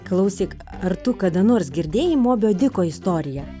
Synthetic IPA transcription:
klˠɐʊsʲiːk | ɐrt̪ʊkɐd̪ɐnoːrsɡʲɪɾʲd̪ʲeːjɪmoːbʲoːd̪ʲɪkoːɪst̪oːɾʲɪjɛ

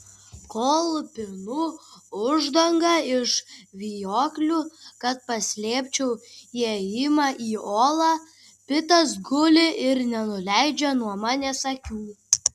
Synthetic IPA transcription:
koːlˠpʲɪnuʊʒd̪ɐŋɡɐɪʃʋʲijoːklʲuːkɐt̪̚pɐsʲlʲeːpʲt͡ʃʲɛʊiɛɪmɐʔiːoːlˠɑː | pʲɪt̪ɐsɡʊlʲɪʔɪɾnʲɛnʊlʲæɪd͡ʒʲɛnuɔmɐnʲɛsɐkʲuː

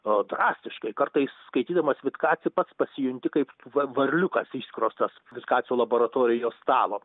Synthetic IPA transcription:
od̪ɾɑːsʲt̪ʲɪʃkɐɪkɐrt̪ɐɪsskɐɪt̪ʲiːd̪ɐmɐsʋʲɪt̪kɑːt̪sʲɪjɪpɐt̪spɐsʲɪjʊnʲt̪ʲɪkɐɪpɐʋɐɾʲlʲʊkɐsiʃʲsʲkʲɪɾoːst̪ɐsʋʲɪt̪kɑːt̪t͡s̪ʲɪjuːlˠɐboːɾɐt̪oːɾʲɪjoːst̪ɑːlˠoː

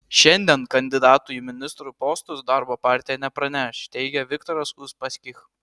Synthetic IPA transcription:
ʃʲɛnʲd̪ʲiɛnkɐnʲd̪ʲɪd̪ɑːt̪ʊjumʲɪnʲɪst̪ɾupoːst̪ʊsd̪ɑɾboːpɑːˑɾʲt̪ʲɪjɛnʲɛpɾɐnʲɛʃt̪ʲɛɪɡʲɛʋʲɪkt̪oːɾɐsʊspɐsʲkʲɪx

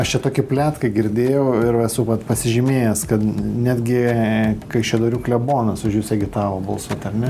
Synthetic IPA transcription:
ɐʃt͡ʃʲɛt̪oːkʲɪpʲlʲæːt̪kɐɪɡʲɪɾʲd̪ʲeːjɛʊɪrɛsʊʋɐt̪pɐsʲɪʒʲɪmʲeːjɛskɐt̪nʲæːd̪ʲɡʲɪkɐɪʃʲɛd̪oːɾʲuːklʲɛboːnɐsʊʒʲjʲʊsʲɛɡʲɪt̪ɑːʋoːbolˠsot̪ɐrnʲɛ

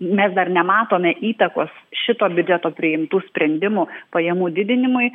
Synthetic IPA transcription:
mʲɛsd̪ɐrnʲɛmɑːt̪oːmʲɛʔiːt̪ɐkoːsʃʲɪt̪oːbʲʊd͡ʒʲɛt̪oːpʲɾʲɪɪmt̪uːsʲpʲɾʲɛnʲd̪ʲɪmʊpɐjɛmuːd̪ʲɪd̪ʲɪnʲɪmʊɪ

